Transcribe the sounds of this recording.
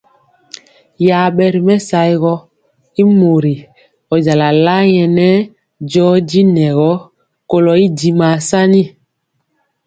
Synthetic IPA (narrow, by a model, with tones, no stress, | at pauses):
ja˨ɓɛ˨ɾi˨mɛ˦sa˨˦jɣɔ˦ | i˦mo˨ɾi˨ | ɔ˨d͡ʒa˨la˨la˦jɛ˨nɛ˦ | d͡ʒɔ˦di˦nɛ˨ɣɔ˦ | ko˦lɔ˨i˦di˨ma˨sa˦ni˦